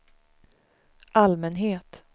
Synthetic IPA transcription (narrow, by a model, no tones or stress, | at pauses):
ʔalmɛnɦeːt̪